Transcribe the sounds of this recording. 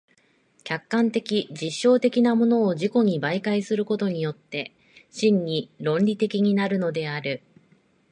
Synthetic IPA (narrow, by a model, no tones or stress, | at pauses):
kʲakːãnt̪e̞kʲid͡ʑiɕːo̞ːt̪e̞kʲinamo̞no̞ːʑiko̞ɲ̟ibaikaisɨɾɯ̟ko̞t̪o̞ɲ̟ijo̞t̪ːe̞ | ɕĩɲ̟ːiɾõ̞nɾʲit̪e̞kʲiɲ̟inaɾɯ̟no̞d̪e̞aɾɯ̟